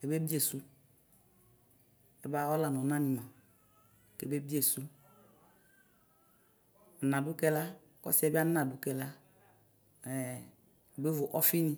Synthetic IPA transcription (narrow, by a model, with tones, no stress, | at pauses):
ɛ˨be˦bi˦e˨su˦ | ɛ˨ba˦ɔ˦la˨nɔ˨nã˦nĩ˨mã˨ | ke˨be˦bi˦e˦˨su˦ | a˨n˨ã˨dʊ˦kɛ˦la˦ | kɔ̰˦si˦ɛ˦bi˦a˦nã˨du˦kɛ˦la˦ | ɛ˨ | ɛ˨be˦vʊ˨ʔɔ˦fi˦nĩ˦